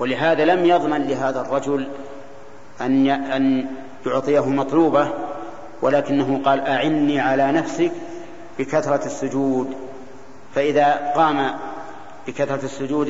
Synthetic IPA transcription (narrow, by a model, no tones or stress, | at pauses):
walɪɦaːðalamjɑðˤmanlɪɦaːðarˤːɑd͡ʒʊl | ʔanan | jʊʕt̪ˤɨjaɦʊmɑt̪ˤluːba | walaːkɪnːaɦʊqɑːlʔaʕɪnːiːʕalaːnafsɪk | b̥ɪkaθɾˤɑɪsːʊd͡ʒuːd̪ | faʔɪðaːqɑːma | b̥ɪkaθɾˤɑɪsːʊd͡ʒuːd̪